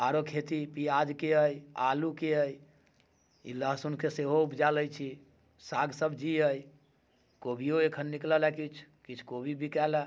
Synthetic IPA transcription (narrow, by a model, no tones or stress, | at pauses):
aɾokʰet̪ipijad͡ʒkeəjalukeəj | ḭləɦsunkeseɦoupd͡ʒaləjt͡ʃʰi | saɡsəbʱd͡ʒiəj | kobʱijoekʰənːikləlɛkit͡ʃʰkit͡ʃʰkobʱibikɛla